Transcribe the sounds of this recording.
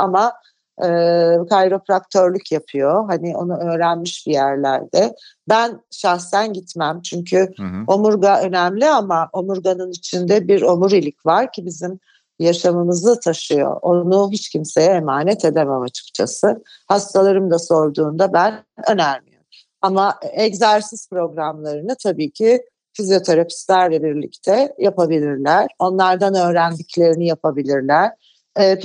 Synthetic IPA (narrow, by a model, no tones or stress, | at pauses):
ama | ɯːkʰajɾofɾakt̪ʰøɾlʲycʰjapʰɯjo̞ɦanɪo̞nuø̞ːɾænmiʃbijæɾlʲæ̰ɾd̪ɛbænʃaxsænɟit̪mæmt͡ʃʰyɲcʰyo̞muɾɡaø̞næmlʲiamaʔo̞muɾɡanɯnit͡ʃʰind̪ɛbiɾo̞muɾilʲicvaɾcʰibizim | jaʃamɯmɯzˠat̪ʰaʃɯjo̞̰o̞nuɦit͡ʃcʰimse̞jɛemaːnɛt̪ʰe̞d̪ememat͡ʃʰɯ̥kt͡ʃʰa̰sɯ | hast̪ʰalˠaɾɯmd̪aso̞ɾd̪uːnd̪abænø̞næɾmḭjo̰m | amaɛɟzæɾsispɾo̞ɡɾamlˠaɾɯnɯt̪ʰabiːcʰi | fizijo̞t̪ʰe̞ɾapʰi̥slʲæɾlʲɛbiɾlʲḭct̪ʰɛjapabilʲiɾlʲæɾ̥o̞nlˠaɾd̪anø̞ːɾænd̪iclʲe̞ɾinijapʰabilʲiɾlʲæɾ̥